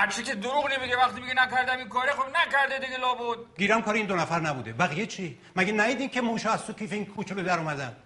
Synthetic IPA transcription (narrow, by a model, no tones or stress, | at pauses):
haɾt͡ʃʰekʲed̪oɾuɣnemiɡevæχt̪imiɡenækæɾd̪æminkʰɒːɾexobnækæɾd̪ed̪iɡʲelɒːbod̪̚ɡiːɾæmkʰɒːɾeind̪onæfæɾnæbuːd̪ebæɣijet͡ʃʰi | mæɡenæjiːd̪iːŋcʰemuːʃɒːæzt̪okʲʰiːfeinkʰuːt͡ʃʰelod̪æɾɔːmæd̪æn